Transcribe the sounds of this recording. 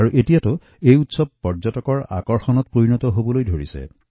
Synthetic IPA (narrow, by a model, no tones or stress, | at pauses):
aɹuʔetijatʊ | ejutsɔb̚pːɔɹzɔtɔkɔɹa̰kɔɹxɔnɔt̚pɹoɹinɔtɔɦobɔlojdʱoɹisɛ̰